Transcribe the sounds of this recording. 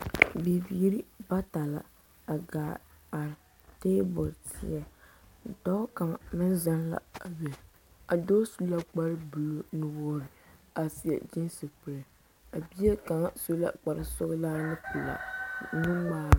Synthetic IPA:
bi˨biː˨˦ɾi˦ba˦ta˨la̰˨ | a˨ɡaː˨ | a˨ɾ | te˦bʊ˨ltʰɪ̰˦jɛ˨ | dɔ˦ka˨ŋ˨mɨ˦nza˦nla̰˨a˨wɛ˨ | a˨doː˦su˦la˦k͡pa˦ɾɨ˦bu˨lo˦nu˨woː˦ɾɪ˨a˨si˨ɛ̰˨d͡ʒɪ˦nsɨ˨k͡pɨ˨ɾɛ˨ | a˨bi˦e˦ka˨ŋ˨so˦la̰˦k͡pa˨ɾɨ˨sʊ˦ɣlaː˦nɨ˦pʊ˨la̰˨nɨ˦ŋ͡maː˦ɾ

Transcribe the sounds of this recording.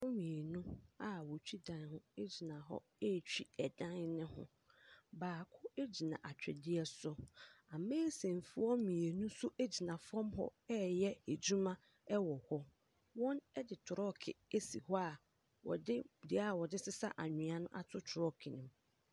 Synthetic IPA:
wo˦mĩ˨e˨nũ˦a˨wɔ˨t͡ɕᶣʰi˦dã˨n˦hʊ̃˦e˦d͡ʑi˨nã˨ɦɔ̰˦ | e˦˨t͡ɕᶣi˦ɛ˨dã˦nnɪ̃˦hʊ̰̃˦ | baː˨kʰʊ˦e˦d͡ʑi˨nã̰˨ʔa˨t͡ɕᶣʰɛ̰˨dɪ˦ɛ˦sʊ˦a˨mẽː˦sẽ˨n˨fu˨˦ɔ˦mĩ˨e˨nũ˦sʊ˦ʔe˦d͡ʑi˨nã˨fɔ̃˦mɦɔ̰˦ɛ˦jɛ˦e˨d͡ʑu˦mã˦ | ɛ˦wɔ˨hɔ˦ | wɔ̃˦nɛ˦dɪ˨tʰʊ˨ɾɔ˦kʰɪ̰˨e˦sḭ˨hɔ˦a˨ | wɔ̰˨dɪ˦dɪ˨a˦˨wɔ˨dɪ˦sɪ˦sa̰˦ʔa˨ɲᶣɪ̃˨a˨nʊ̃˦ʔa˨tʰʊ˦tʰʊ˨ɾɔ˦kʰɪ˨nɪ̃˨m

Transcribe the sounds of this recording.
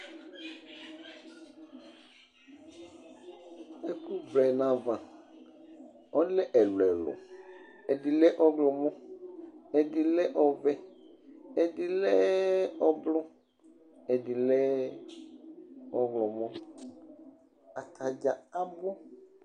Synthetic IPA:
ɛ˦ku˦vlɛ˨nã˨vã˨ | ɔ˦lɛ˦ʔɛ˨lwɛ˨lʊ̰˨ | ɛ˨di˨lɛ˦ʔɔ˦ɡlɔ˨mɔ̃˦ | ɛ˨dɪ˨lɛ˦ʔɔ˨vɛ˦ | ɛ˨di˨lɛ˦ɔ˦blɔ˦ | ɛ˨di˨lɛ˦ | ɔ˦ɡlɔ˨mɔ̃˦ | a˨t̪ʰa˨d͡ʒa˨a˦bʊ˦

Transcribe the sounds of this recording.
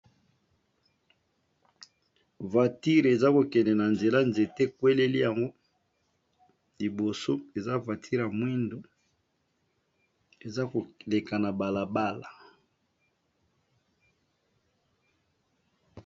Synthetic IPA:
va˨ti˦ʁe˨za˦ko˨kɛ˨nɛ˨na˨nze˨la˦nze˨tɛ˦kwe˦le˦li˦ja˨ŋɡo˦ | li˨bo˨so˦e˨za˦va˨tʰi˦ʁa˨mwi˦ndo˦ | e˨za˦ko˨le˨ka˨na˨ba˨la˨ba˦la˨

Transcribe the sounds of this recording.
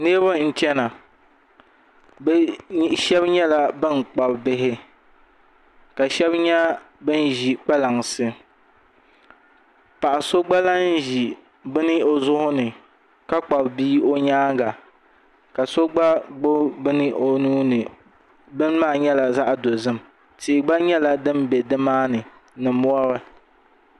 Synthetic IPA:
ne˦βʊ˦n̩˦t͡ʃɛ˦na˨ | bʃɛ˦bɲɛ˦la˦bɨ˦n˨k͡pa˨bbɪ˦ɦɪ˦ | ka˨ʃɛ˦bɲɛ˦ | bɨ˦n˦ʒi˨k͡pa˦la˨ŋsɨ˦ | pa˨ʔa˨so˦ɡ͡ba˦la˦n˦ʒi˨ | bɨ˦nɨ˦o˨zʊ˦hʊ˦nɨ˨ | ka˦k͡pa˨bbiː˦o˦ɲaː˦ɡa˨ | ka˨so˦ɡ͡ba˦ɡ͡bo˦bɨ˦nɨ˦o˨nuː˦nɨ˨ | bɨ˦n˦maː˦˨ɲɛ˦la˨za˦ʔdo˨zɨ˦m | tɪ˨ɡ͡ba˦ɲɛ˦la˨dɨ˦mbɛ˨dɨ˦maː˦nɨ˨ | nɨ˨mu˦ɔ˦ɾɨ˦

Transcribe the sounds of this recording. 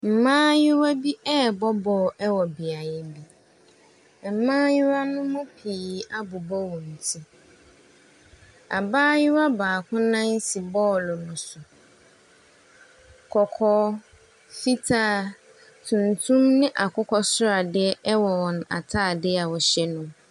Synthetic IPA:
m̩˨mãː˦jɪ˦wa˦bi˦ʔɛ˦bɔ˦bɔː˨ʔɛ˦wɔ˨bi˨a˨jɛ˨bi˦ | m̩˨mãː˦jɪ˦wa˦nʊ̃˦mʊ̃˦pʰiː˨a˦bʊ˨bɔ˦wɔ̃˨n̩˨tʰĩ˦ | a̰˨baː˦jɪ˦wa˦baː˨kʰʊ̃˦nã˦n˦si˨bɔː˦lʊ˨nʊ̃˨sʊ˨ | kʰɔ˨kʰɔː˦ | fi˦tʰaː˦˨ | tʰũ˨ntʰũ˦mnɪ̃˦ʔa˨kʰʊ˦kʰɔ˦sʊ˦a˨dɪ˦ɛ˦wɔ˨wɔ̃˨n˨a̰˨tʰa˦˨dɪ˦a˨wɔ˨ɕɛ˦nʊ̃˨

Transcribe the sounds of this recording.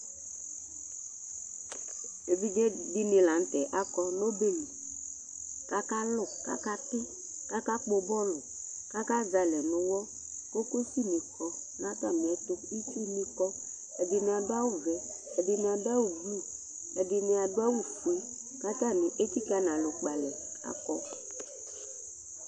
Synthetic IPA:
e˨vi˦ɡe˦di˦nɪ̃˨la˨n̩˦t̪ɛ˨ʔa˦kɔ˦no˦be˦n˨ | ka˦ka˦lʊ˨ka̰˦ka˦t̪ɪ˦ | ka˦ka˦k͡po˨bɔ˦lʊ˨ | ka˦ka˦za˨lɛ˨nʊ̃˨wɔ˦ | ko˦ko˦si˦nĩ˨kɔ˦ | nã˦t̪a˦mĩ˨ɛ˨t̪ʊ˦i˦si˦nĩ˦kɔ˦ | ɛ˨dɪ˨nɪ̃˨a˨dʊ˦a˦wʊ˦vɛ˨ | ɛ˨dɪ˨nɪ̃˨a˨dʊ˦a˦wu˦blu˦˨ | ɛ˨dɪ˨nɪ̃˨a˨dʊ˦a˦wu˦fu˨i˦ | ka˦t̪a˦nɪ˨ʔe˦t̪i˦ka˦nã˨lʊ˨k͡pa˨lɛ˨ | a̰˦kɔ˦

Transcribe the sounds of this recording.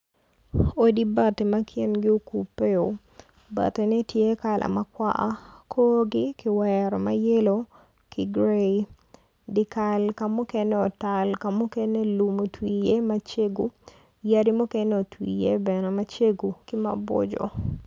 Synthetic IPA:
o˨di˦ba˦te˨ma˦kʰjɛ˦nɡɪ˦o˦ku˨pːe˦o˨ | ba̰˨te˨nɛ˦tje˦ka˨lʔa̰˨ma˦kwa̰˦ʔa˦kʰo˦ɡɪ˦kɪ˦wɛɾɔ˨ma˦je˦lo˦ | kʰɪ˦ɡɾe˦i | dɪ˨ka˨lka˦mu˦kɛ˦nɛ˦ɔ˨ta˨lka˨mu˦kɛ˦ne˦lu˨mo˨twije˦ma˦t͡ʃe˦ɡu˦ | ja˦di˦mu˦kɛ˦ne˦o˨twḭ˨je˦bɛ˨nɛ˨ma˦t͡ʃe˦ɡu˨kɪ˦ma̰˨bɔ̰˦d͡ʒɔ̰˨

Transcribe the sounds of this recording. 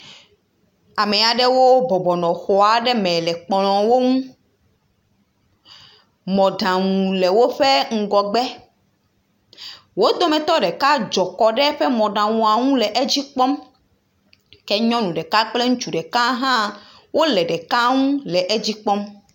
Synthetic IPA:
a˨mɛ˨a˨ɖɛ˦wo˦bɔ˨bɔ˨nɔ̃˨xɔ˨a˨ɖɛ˦mɛ̃˨lɛ˨k͡plɔ̃˨wo˦ŋũ˦ | mɔ̃˨ɖã˨ŋũ˨le˨wo˦ɸe˦ŋ̩˨ɡɔ˨ɡ͡bɛ˦ | wo˦d̪o˦mɛ̃˨t̪ɔ˦ɖɛ˨ka˦d͡ʒɔ˨kɔ˨ɖɛ˦ɸɛ˦mɔ̃˨ɖã˨wũ˨a˨ŋũ˦lɛ˨ʔe˦d͡ʑi˦k͡pɔ˦m | kɛ˦ɲɔ̃˦nũ˨ɖɛ˨ka˦k͡ple˦ŋũ˦t͡ʃu˨ɖɛ˨ka˦ɦã˦ | wo˦lɛ˨ɖɛ˨ka˦ŋũ˦lɛ˨ʔe˦d͡ʑi˦k͡pɔ˦m

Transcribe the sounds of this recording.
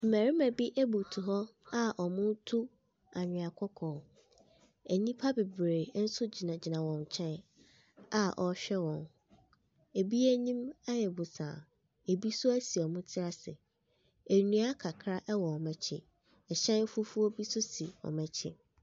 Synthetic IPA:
m̩˨mæ˨ɾi˦mæ̃˨bi˦ʔæ˦bu˨tʰu˨ɦɔ˦a˦ʔɔ˨mʊ̃˦n˦tʰu˦ | a˨ɲᶣɪ̃˨a˨kʰɔ˦kʰɔ̃ː˨˦ | ɛ˨nĩ˦pʰa˦be˨bɾeː˨˦n̩˦sʊ˦d͡ʑi˨nã˨d͡ʑɪ˨nã˨wɔ̃˨n˨t͡ɕʰɛ̃˦n | a˦ʔɔ˨˦ɕᶣɛ˦wɔ̃˨n | e˨bi˦æ˦ɲĩ˦ma˦jɛ˨bu˨sã̰ː˨ | e˨bi˦sʊ˦æ˦si˨ɔ˨mʊ̃˦tʰɪ˦ɾa˦sɪ̰˨ | e˨nũ˦a˦kʰa˨kʰɾa˦ʔɛ˦wɔ˨ɔ˨mɛ̃˨t͡ɕʰɪ̰˦ | ɛ˨ɕɛ̃˦n˦fʊ˦fu˦ɔ˦bi˦sʊ˦si˨ɔ̰˨mɛ̃˨t͡ɕʰɪ̰˦

